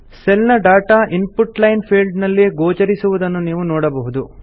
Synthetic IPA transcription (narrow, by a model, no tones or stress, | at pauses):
sɛlnɐɖaːʈaːʔinpuʈlɐjnpʰiːlɖnɐlːeɡoːt͡ʃɐɾisuʋud̪ɐnːuniːʋunɔːɽɐbɐɦud̪u